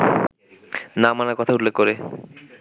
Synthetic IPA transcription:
namanaɾkɔt̪ʰautlːekːɔɾe

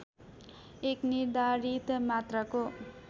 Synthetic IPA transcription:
ekniɾd̪aɾit̪mat̪rʌko

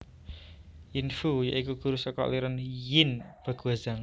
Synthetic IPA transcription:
jinfuja̰ʔikuɡ̥uɾusɔkɔ̰ʔliɾənjɪnb̥a̤ɡ̥uaz̥aŋ

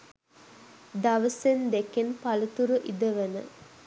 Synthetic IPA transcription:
d̪aʋəsend̪ekenpalət̪uɾəʔid̪əʋənə̰

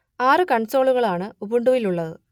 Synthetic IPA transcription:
aːrɨkɐɳt͡ɕo̞ːɭuɣɐɭaːɳɨubuɳɖuʋiluɭːɐðɨ

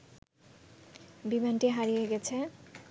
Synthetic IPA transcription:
bimanʈiɦaɾijeɡɛt͡ɕʰe

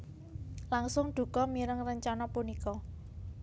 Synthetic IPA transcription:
laŋsʊŋɖ̪̥ṳkɔmiɾəŋrəɲt͡ʃanɔpunikɔ

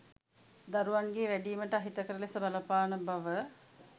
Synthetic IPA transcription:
d̪aɾuʋaŋɡeːʋæɖiːməʈəaɦit̪əkəɾəlesəbaləpaːnəbaʋə

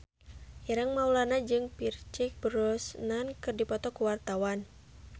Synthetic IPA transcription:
ʔɛɾaŋmaulanad͡ʒɨŋpirt͡ʃik̚bəɾɔsnankɨrdipɔt̪ɔkuwart̪awan

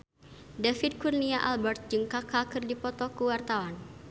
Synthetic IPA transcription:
dafid̪̚kurniaʔalbɛrt̪̚d͡ʒɨŋkakakɨrdipɔt̪ɔkuwart̪awan

